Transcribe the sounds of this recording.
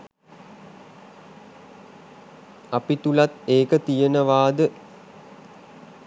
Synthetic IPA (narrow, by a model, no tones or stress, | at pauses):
apit̪ulat̪eːkət̪ijənəʋaːd̪ə